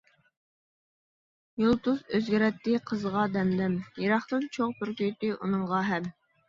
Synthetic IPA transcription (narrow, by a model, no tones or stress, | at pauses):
jolˠt̪usøzɡʲiɾɛt̪ːɪqʰəzʁɑd̪ɛmd̪ɛmjeɾɑχt̪ɨnt͡ʃʰoŋt̪uɾkʲøjt̪ɪʔunɨŋʁɑɦɛm